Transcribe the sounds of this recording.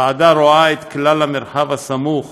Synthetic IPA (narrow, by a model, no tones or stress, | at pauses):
aʕad̪aɾoaet̪klalamɪɾħavasamuχ